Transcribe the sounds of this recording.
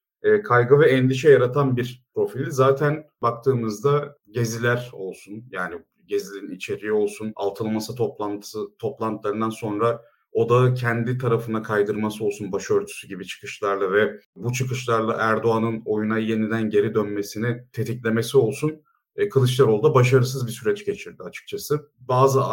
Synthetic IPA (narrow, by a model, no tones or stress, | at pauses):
ɛːkʰajɡɯvɛɛnd̪iʃ̬ɛjaɾat̪ʰanbiɾpɾo̞filʲizaːt̪ʰænbak̚t̪ʰɯːmɯzd̪a | ɟe̞zilʲæɾo̞lˠsunjaːni | ɟe̞zilʲiinit͡ʃʰe̞ɾio̞lˠsuna̰lˠt̪ʰɯlˠmasɯt̪ʰop̪ˠant̪ʰst̪ʰo̞plˠant̪ʰɯlˠaɾɯnd̪anso̞nɾa | o̞d̪acʰɛnd̪it̪ʰaɾafɯnakʰajd̪ɯɾmasɯo̞lˠsunbaʃø̞ɾt̪ʰy̥syɟibit͡ʃʰɯ̥kɯ̥ʃlˠaɾlˠavɛbut͡ʃʰɯkɯʃlˠaɾlˠa̰ʔæɾd̪o̞anɯno̞junaje̞nid̪ænɟe̞ɾid̪ønme̞sinit̪ʰe̞t̪ʰiclʲe̞me̞sio̞lˠsun | kʰɯlˠɯt͡ʃlˠaɾo̞lˠd̪abaʃ̬aɾɯs̬ɯzbisyɾɛt͡ʃɟe̞t͡ʃʰiɾd̪iat͡ʃʰɯ̥k̚t͡ʃʰasɯ | baːzɯ